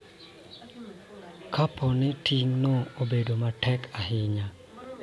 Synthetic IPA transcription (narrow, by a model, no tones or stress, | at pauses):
kʰapʰɔnɪtiŋnoobedomatɛkʰahɪɲa